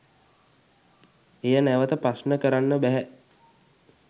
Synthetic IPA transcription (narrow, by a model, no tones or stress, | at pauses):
ejənæʋət̪əprasnəkəɾanːəbæɦæ